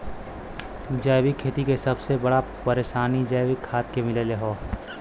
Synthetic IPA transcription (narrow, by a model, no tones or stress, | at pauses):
d͡ʒəːjʋikʰːeːt̪ikesɐbsebɐɽapɐɾeːʃaːnid͡ʒəːjwɪkʰːaːt̪̚kemɪleːleɦoː